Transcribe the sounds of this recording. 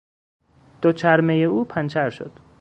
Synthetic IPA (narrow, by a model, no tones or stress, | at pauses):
d̪̥ot͡ʃʰæɾmejeuːpʰænt͡ʃʰæɾʃo̰d̪̥